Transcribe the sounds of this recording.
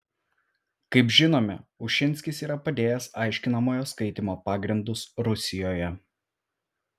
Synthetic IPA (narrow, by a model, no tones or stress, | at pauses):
kɐɪpʒʲɪnoːmʲɛ̰ʊʃʲɪnʲˑsʲkʲɪsiːɾɐpɐd̪ʲeːjɛsɐˑɪʃʲkʲɪnɐmoːjoːskɐɪt̪ʲɪmoːpɑːɡɾʲɪnd̪ʊsɾʊsʲɪjoːjɛ